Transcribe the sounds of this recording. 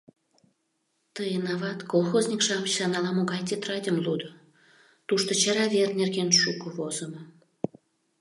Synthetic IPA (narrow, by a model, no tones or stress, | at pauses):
t̪əjənɑβɑt̪kolˠxozʲnʲikʃɑmət͡ɕsɑnɑlɑmoɣɑjt̪ʲet̪rɑdʲəmlud̪ə | t̪uʃt̪ot͡ɕɑɾɑvʲernʲerɣenʃukəβozəmə